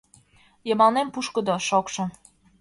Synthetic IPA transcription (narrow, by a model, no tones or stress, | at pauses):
jɤmɑnempuʃkəd̪oʃokʃɤ̆